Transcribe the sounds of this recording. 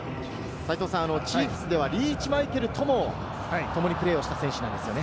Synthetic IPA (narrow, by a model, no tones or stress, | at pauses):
sait̪o̞ːsãano̞t͡ɕiːɸɯ̟̥sɨd̪e̞βaɾʲiːt͡ɕimait̪e̞ɾɯ̟t̪ʰo̞mo̞ | t̪o̞mo̞ɲ̟ipɯ̟ɾeːo̞ɕi̥t̪asẽɕɨnã̰nd̪e̞sɨjo̞ne̞